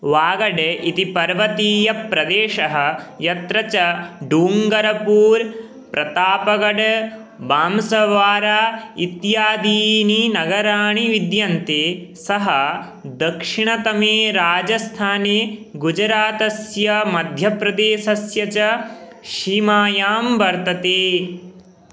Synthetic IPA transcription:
ʋaːɡɐɖit̪ipɐɾʋɐt̪iːjɐpɾɐd̪eːʃɐɦɐ̆jɐt̪ɾɐt͡ʃɐɖuːŋɡɐɾɐpuːɾ | pɾɐt̪aːpɐɡɐɖ | baːmsɐʋaːɾaːit̪jaːd̪iːninɐɡɐɾaːɳiʋid̪jɐnt̪eːsɐɦɐ | d̪ɐkʂiɳɐt̪ɐmeːɾaːd͡ʒɐst̪ʰaːneːɡud͡ʒɾaːt̪ɐsjɐmɐd̪ʱjɐpɾɐd̪eːʃɐsjɐt͡ʃɐ | ʃiːmaːjaːmbɐɾt̪ɐt̪eː

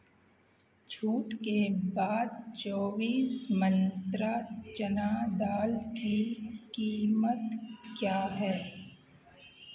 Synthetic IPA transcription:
t͡ʃʰuːʈkebaːd̪̚t͡ʃoːbiːsmə̃nt̪ɾat͡ʃənaːd̪aːlkikiːmət̪kjaːɦɛː

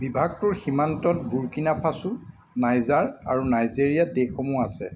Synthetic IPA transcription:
bibʱaɡ̚tʊɹximantɔt̚ɡuɹkinapʰasu | najzaɹaɹunajziɹijadexɔmuasɛ

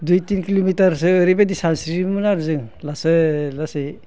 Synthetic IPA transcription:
dujtinkilomitaɾsɯːɾibadisansɾimɯnaɾzɯŋlasɯlase

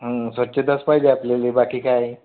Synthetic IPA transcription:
ɦəsʋətːɕed̪əspajd͡ʑeaplelibakiːkaj

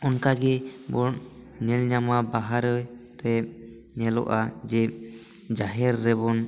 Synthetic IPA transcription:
ɔnkaɡɛbɔʔ | nɛlɲamabaɦaɾɔ | ɾɛ | nɛlɔ̰ʔad͡ʒɛ | d͡ʒaɦɛɾːɛbɔn

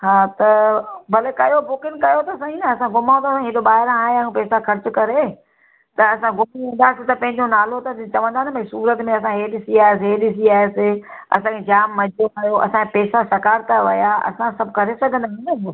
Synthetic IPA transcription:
ɦaːt̪ɐbɐlekɐjobʊkɪnkɐjot̪ɐɐsãːinɐɐsãɡʊmãːnd̪aːsãɦɪd̪oɓaːɦɪɾãaːɦẽãːũpɛːsaxɐɾt͡ɕʊkɐɾe | t̪ɐɐsãɡʊmɐ̃nd̪aːsɪt̪ɐpɐ̃ɦɪ̃ɲd͡ʑonaːlot̪ɐt̪t͡ɕɐʋə̃nd̪aːnbɐ̃suːɾət̪mẽɐs̬ãɦeɗɪsiaːes̬eɦeɗɪs̬iaːeseɐ̰sãːkʰed͡ʑaːmːɐd͡ʑʱoaːɦjoʔɐ̰sãkepɛːsasɐkaːɾt̪aʋɐjaɐ̰sãsɐbʱʊkɐɾesɐɡʱə̃nd̪aːɦnbo

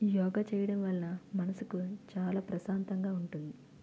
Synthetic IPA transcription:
jɔːɡat͡ʃɛːjɐɽɐmʋɐlːɐnɐmɐnɐsukut͡ʃaːlaːpɾɐsaːnt̪ɐŋɡaːuɳʈund̪i

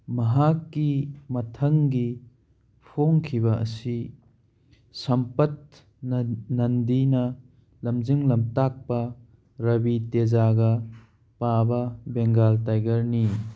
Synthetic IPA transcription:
mɐɦakːimɐtʰɐŋɡi | pʰoŋkʰibɐɐ̰si | sɐmpɐt̚ | nnɐndinɐ | lɐmd͡ʒiŋlɐmtak̚pɐ | ɾɐbitezaɡɐ | pabɐbeŋɡaltajɡɐɾni

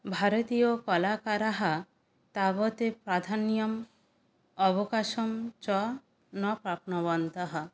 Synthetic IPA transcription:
bʱaɾɔt̪ijokɔlakaɾaɦa | t̪aβɔt̪epɾad̪ʱanijɔm | ɔbɔkaʃɔmt͡ʃɔ | nɔpɾap̚nɔβɔnt̪aɦa

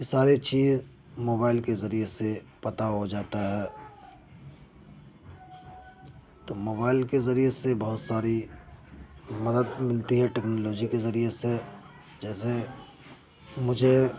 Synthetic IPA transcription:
jesaːɾet͡ʃiːz | moːbaːɪlkezɐɾiese | pɐt̪aɦod͡ʒaːt̪aɦɛː | t̪oːmoːbaːɪlkezɐɾiesebɐɦʊt̪saːɾi | mɐd̪əd̪mɪlt̪iɦɛʈɛːknoːloːd͡ʒikezɐɾiese | d͡ʒɛːse | mʊd͡ʒʱe

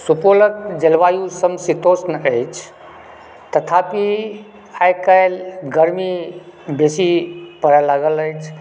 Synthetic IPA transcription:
supolək̚d͡ʒəlʋajusəmsit̪osnəjt͡ʃʰ | t̪ət̪ʰapi | ajkəjlɡəɾmibesipəɾəlaɡələt͡ʃʰ

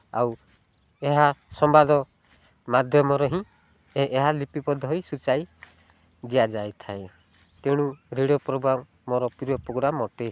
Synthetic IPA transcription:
a̰w | eɦasɔmbad̪ɔ | mad̪ʱjɔmɔɾɔɦĩ | eɦalipipɔd̪ʱɔɦɔjsut͡ʃaj | d̪ijad͡ʒajt̪ʰaẽ | t̪eɽ̃ũɾiɽɔpɾoɡɾamːɔɾɔpiɾɔpɾoɡɾamɔʈe

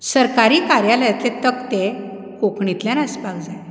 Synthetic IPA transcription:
səɾkaɾiːkaɾjaləjat̪let̪əkt̪e | kokɳit̪ljãnəsbak̚d͡zaj

